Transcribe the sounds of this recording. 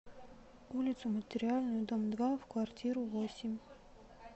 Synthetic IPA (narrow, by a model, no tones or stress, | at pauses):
ulʲɪt̪sʊmətʲɪɾʲɪalʲnʊjʊd̪əmd̪vafkvartʲiɾʊvosʲɪmʲ